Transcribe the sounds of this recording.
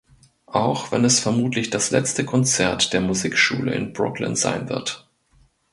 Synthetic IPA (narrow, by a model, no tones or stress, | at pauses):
ʔaʊxv̥ɛnɛsfɛɐmuːtʰlɪçd̥aslɛ̰t͡stəkʰɔnt͡sɛɐtd̥eːɐmuziːkʃṵːlə̰ɪ̰nbʁʊ̰klɪ̰nz̥a̰ɪnvɪ̰ɐt